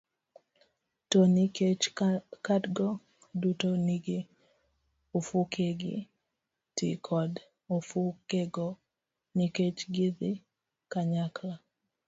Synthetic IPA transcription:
toniet͡ʃkadɡɔ | dutoniɡi | ofukʰeɡɪ̰ | tḭkʰɔd | ofukeɡo | niket͡ʃɡiði | kaɲakla

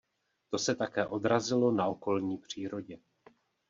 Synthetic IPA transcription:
t̪o̞sɛt̪akɛːʔo̞d̪ɾazɪlo̞nao̞ko̞lɲiːpr̝̥iːɾo̞ɟɛ

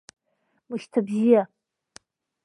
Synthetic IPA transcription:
mɨʃtʰabʒija

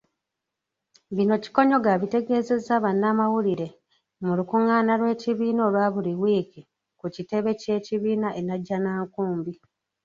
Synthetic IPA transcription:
βino̞ci̥ko̞ɲo̞ɡaβite̞ɡe̞ːze̞zaβanːaːmawuliɾe̞ | mulukuŋaːnalwe̞ːciβiːno̞ːlwaːβuliwiːki | kucite̞βe̞ce̞ːciβiːnaʔenaɟːanaːŋkuːmbi

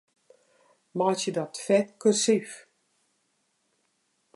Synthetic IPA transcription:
mɔtjədɔtfɛt̚køsif

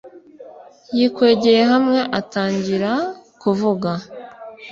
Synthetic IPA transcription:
jikwe̞ːɟeje̞ɦamŋe̞ʔataːɲɟiɾakuvuɡa

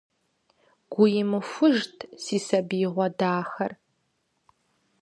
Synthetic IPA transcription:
ɡ̥ʷʊjɪmɨfʷʊʒtʰsiːsɐbiːʁʷɔdaːxɐr

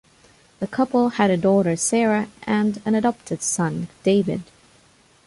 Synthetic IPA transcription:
ðɨkʰʌpl̩ˠɨɾɨdɔɾə˞sɛɹɨʔɨ̃nɨ̃nɨdɑp̚tʰɨd̥sʌ̃nd̥eɪvɨ̰d̥

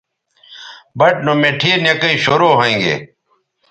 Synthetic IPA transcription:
bɐʈ̚noːmeːʈʰiːnjekəiːɕoːɾoːɦaĩːŋɡḛː

